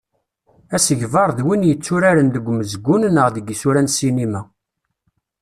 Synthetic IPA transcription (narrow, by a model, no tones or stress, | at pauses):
æsəʝvɑɾˤðwinjət͡sːuɾæɾənðəɡʷməzɡːunnəʁðəɡisuɾænsinimæ